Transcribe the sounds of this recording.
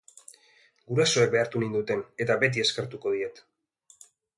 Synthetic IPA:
ɡuɾaso̞ek̚be̞aɾt̪unind̪ut̪e̞ne̞t̪abe̞t̪̬ie̞skeɾt̪uko̞ð̞ie̞t̪

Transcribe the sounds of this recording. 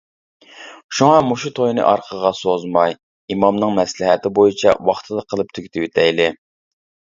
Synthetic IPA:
ʃuŋɑmoʃut̪ʰojnɨ̰ʔɑɾqʰəʁɑsozmɑj | imɑmnɨŋmɛslɪɦɛt̪ʰɪbojit͡ʃʰɛ̰wɑχt̪ʰɨd̪ɑqʰəlˠɨp̚t̪ʰykʲt̪ʰɪwɪt̪ʰɛjlɪ

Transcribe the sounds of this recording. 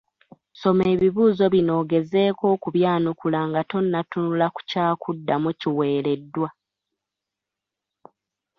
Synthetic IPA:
so̞me̞ːβiβuːzo̞βino̞ːɡe̞ze̞ːko̞ːkuβjaːnukulaːŋɡato̞nːatunulaku̥caːkʰudːamuciwe̞ːɾe̞dːwa

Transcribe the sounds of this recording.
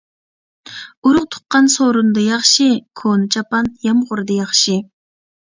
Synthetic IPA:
uɾʊqt̪ʰʊ̥qːɑnsoɾund̪ɨjɑχʃɨkʰonɨt͡ʃʰɑpɑnjɑmʁʊɾd̪ɑjɑχʃɨ

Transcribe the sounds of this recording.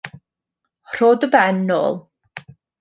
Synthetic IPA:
r̥oːdəbɛnːo̰ːlˠ

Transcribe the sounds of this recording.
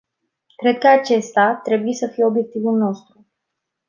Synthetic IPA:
kɾe̞d̪̚kəat͡ʃe̞st̪at̪ɾe̞buje̞səfijeobje̞k̚t̪ivulno̞st̪ɾu

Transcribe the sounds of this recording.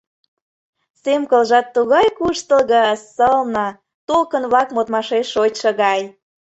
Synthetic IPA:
semkəlʒɑt̪ːuɣɑjkuʃt̪əlɣəsəlnɤ̆ | t̪olkənβlɑkmot̪mɑʃeʃot͡ɕʃə̆ɣɑj

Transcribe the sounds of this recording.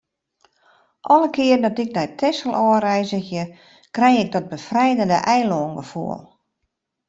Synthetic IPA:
ʔɔləkʰɪərdɔtɪk̚nɛjtʰɛsəlˠʔɔːrɛjzəxjə | krɛjɪɡ̚dɔt̚bəfrɛjdəndəʔɛjloːnɡəfṵəlˠ

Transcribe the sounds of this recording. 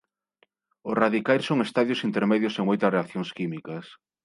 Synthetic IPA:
ʊraðikajɾsoŋest̪aðjʊsint̪eɾmeðjʊseŋojt̪ɾɐreakθjoŋskimikɐs

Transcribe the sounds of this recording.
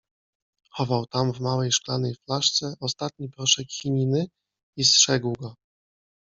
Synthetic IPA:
xɔvawt̪amvmawɛjʂklanɛjflaʂt̪sɛʔɔst̪at̪̚ɲipɾɔʂɛkxʲiɲʲinɘ | istʂɛɡwɡɔ

